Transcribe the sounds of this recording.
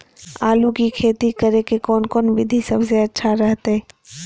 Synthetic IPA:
aːlukikʰeːt̪ikəɾekekɔːnkɔːnʋɪd̪ʱisɐbseɐtːʃʰaɾɛɦt̪ɦɛː

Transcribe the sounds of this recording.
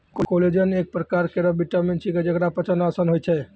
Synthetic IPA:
kokoled͡ʒənek̚pɾəkaɾkeɾəbiʈəmenʈsʰiked͡ʒəkɾapət͡ʃʰənasənɦojt͡ʃʰɛ

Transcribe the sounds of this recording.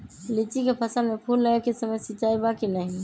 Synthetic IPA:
lit͡ʃikepʰəsəlmepʰulːəekisəməjsit͡ʃaibakinəɦ

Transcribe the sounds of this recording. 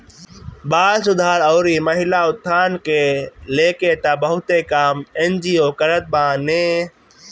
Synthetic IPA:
baːd̪sʊd̪ʱaːɾɔːɾiːməɦɪlaːʊt̪ʰːaːnkeleːket̪abəɦʊt̪ekaːmend͡ʒiːoːkəɾət̪̚bãːneː

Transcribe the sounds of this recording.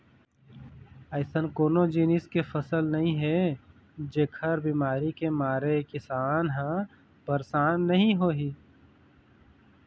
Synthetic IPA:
əːɪsənkoːnod͡ʒiːnɪskefəsəlnɐɦĩɦɛ | d͡ʒeːkʰəɾbimaːɾikemaːɾekɪsaːnɦã | b̥əɾsaːnːɐɦĩɦoːɦiː

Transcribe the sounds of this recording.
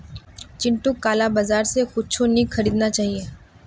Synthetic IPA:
t͡ʃɪ̃ɳʈukːaːlabazaːɾsexʊt͡ʃʰoniːkxɐɾiːd̪nat͡ʃaːɦieː

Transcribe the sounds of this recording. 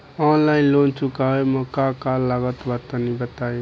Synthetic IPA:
ɔnlaɪnlont͡ʃukaɦeməkakalːaɡət̪bət̪ənibət̪ajĩ

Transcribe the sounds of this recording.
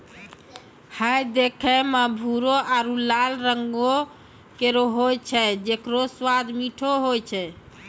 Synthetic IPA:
həjd̪ekʰɛmabʱuɾoaɾulalɾəŋɡo | keɾoɦojt͡ʃʰɛd͡ʒekɾoswad̪miʈʰoɦojt͡ʃʰɛ

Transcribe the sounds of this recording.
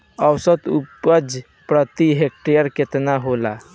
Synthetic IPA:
əwsət̪upəd͡ʒ | pɾət̪iɦek̚ʈejəɾket̪naɦola

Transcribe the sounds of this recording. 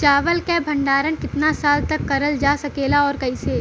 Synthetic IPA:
t͡ʃaːʋəlkɛbʱɐ̃ɳɖaːɾənkɪt̪nasaːlt̪ɐkːɐɾəld͡ʒaːsɐkeːlaɔːɾkɐiseː

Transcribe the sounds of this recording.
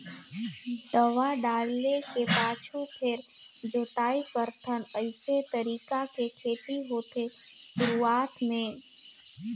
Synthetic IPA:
d̪əʋaɖaːɽlekepaːt͡ʃʰupʰɪɾ | d͡ʒoːt̪aːikəɾt̪ʰənəɪset̪əɾiːkakekʰeːt̪iɦoːt̪e | ʃʊɾuaːt̪mẽ

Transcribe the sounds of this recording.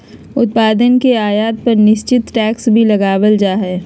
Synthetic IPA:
ʊt̪̚paːd̪ənkeaːjaːt̪̚pɐɾnɪʃt͡ʃɪt̪ʈɛːksbʱilɐɡaːʋəld͡ʒaːɦɛː

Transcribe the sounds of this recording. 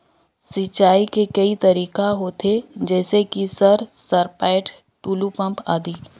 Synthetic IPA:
sɪt͡ʃaːikekɐit̪ɐɾiːkaɦoːt̪ʰed͡ʒɛːsekisɐɾsɐɾpaːɪʈ | ʈuːlupɐ̃mpa̰ːd̪iː

